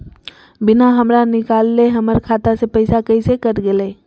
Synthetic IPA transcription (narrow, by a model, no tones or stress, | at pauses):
bɪnaɦəmɾanɪkalːeɦəməɾkʰat̪asepəɪsakəɪsekəɾɡelɛ